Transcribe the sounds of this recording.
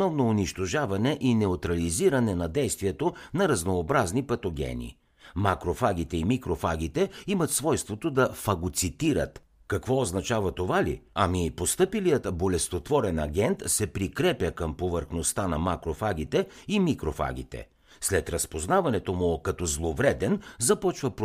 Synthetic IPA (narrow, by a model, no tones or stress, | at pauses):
osnɔvnoʊniʃt̪oʒavɐnɛʔinɛot̪ɾɐliziɾɐnɛnɐd̪ɛjst̪vijɛt̪onɐɾɐznoːbɾaznipɐt̪oɡʲɛ̰nḭ | makɾofaɡ̟it̪ɛimikɾofaɡ̟it̪ɛimɐt̪svɔjst̪vot̪od̪ɐfɐɡot̪sit̪iɾə̰t̪ | kɐkvɔːznɐt͡ʃavɐt̪ovalḭɐmipost̪ɤpilijət̪bolɛst̪ot̪vɔɾɛnɐɡʲɛnt̪sɛpɾikɾɛpʲjəkəmpovəɾxnost̪anɐmakɾofaɡʲit̪ɛimikɾofa̰ɡ̟it̪ɛ̰ | slɛt̪ɾɐspoznavɐnɛt̪omʊkɐt̪ɔzlˠovɾɛd̪ɛnzɐpɔt͡ʃvəp